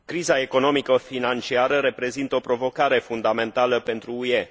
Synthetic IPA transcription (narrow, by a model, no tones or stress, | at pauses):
kɾizae̞ko̞no̞mikəfinant͡ʃiaɾəɾe̞pɾe̞zint̪əopɾo̞vo̞kaɾe̞fund̪ame̞nt̪aləpe̞nt̪ɾuːe̞